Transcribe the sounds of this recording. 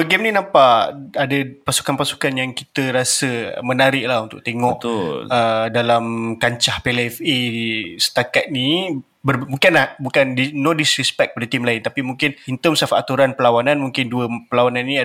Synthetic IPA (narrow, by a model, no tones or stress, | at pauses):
əɡɛmnĩnampaʔadəpasu̥kanpasu̥kanjaŋkit̪əɾasə̰mənaɾɪʔlahunt̪ʊ̰ʔ̚t̪eŋɔʔt̪lədalamkaɲt͡ʃahpeleɛfesə̥t̪akat̪̚ni | bərmuŋkɪnlahbukandinodisɾɛspɛk̪̚əpadət̪imlaɪnt̪apimũŋkɪnint̪əmsafaʔat̪uɾanpəlawanãnmuŋkɪnduəpəlawanãninia